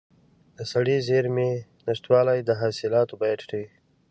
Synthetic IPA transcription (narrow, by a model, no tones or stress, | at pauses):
d̪əsaɽizeɾme | nɪʂt̪wɑːlajd̪əɦɑːsɪlɑːt̪obɑjad̪ʈi